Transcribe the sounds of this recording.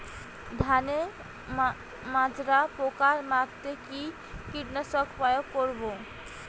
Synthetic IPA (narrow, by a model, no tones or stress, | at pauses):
d̪ʱane | mãd͡ʑɾapokaɾmatt̪eki | kiʈnasɔkpajokːoɾbo